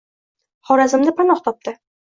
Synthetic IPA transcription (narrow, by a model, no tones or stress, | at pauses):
χɒɾazɪ̆mnɪpʰanɒχt̪ʰɒp̚t̪ɪ